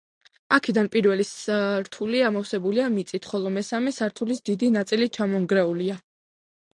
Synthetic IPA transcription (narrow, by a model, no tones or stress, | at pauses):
akʰɛd̪anpʼiɾvɛlisɾt̪ʰuliamɔfsɛbuliamit̪sʼit̪ʰχɔlˠɔmɛsamɛsaɾt̪ʰulisd̪id̪inat̪sʼilit͡ʃʰamɔŋɡɾɛulia